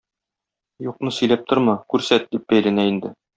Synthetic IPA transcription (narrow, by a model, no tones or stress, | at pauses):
juqnɤsɵ̆jlæp̚t̪oɾmɑkʉɾsæt̪̚d̪ip̚bæjlænæind̪ɘ